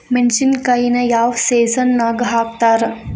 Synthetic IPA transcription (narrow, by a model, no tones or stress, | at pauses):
menɕinkainɐjaːʋseːsɐnːaɡɦaːk̚t̪aɾ